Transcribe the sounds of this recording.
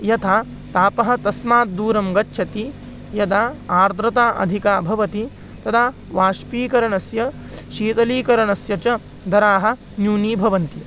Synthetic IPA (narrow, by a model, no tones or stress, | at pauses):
jɐt̪ʰaː | t̪aːpɐɦɐ̆t̪ɐsmaːt̪̚d̪uːɾɐmɡɐt͡ʃːʃʰɐt̪i | jɐd̪aːaːɾd̪ɾɐt̪aːʔɐ̰d̪ʱikaːbʱɐʋɐt̪i | t̪ɐt̪ʰaː | ʋaːʃpiːkɐɾɐɳɐsjɐ | ʃiːt̪ɐliːkɐɾɐɳɐsjɐt͡ʃɐ | d̪ɐɾaːɦɐ̆ | njuːniːbʱɐʋɐnt̪i